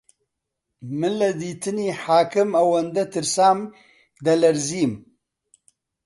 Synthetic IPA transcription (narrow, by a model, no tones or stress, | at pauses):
mɨlɐd̪iːt̪ɨniːħaːkɨmɐwɐnd̪ɐt̪ɨɾsaːm | d̪ɐlɐɾziːm